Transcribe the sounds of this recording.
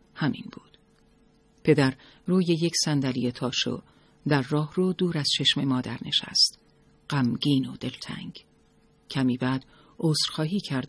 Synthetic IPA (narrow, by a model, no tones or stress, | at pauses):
hæmʔḭnbuːd̪̥ | pʰe̞d̪æɾ | ruːjejecʰsænd̪ælijet̪ʰɒːʃo̰ | d̪æɾːɒːhrud̪uːɾæz̥t͡ʃʰe̞ʃme̞mɒːd̪æɾne̞ʃæ̰st̪ | ɢ̥æmɡiːnod̪e̞lt̪ʰæ̰ŋɡ | cʰæmiːbæːd̪̥ | oːsɾxɒːɦiːcʰæɾd̪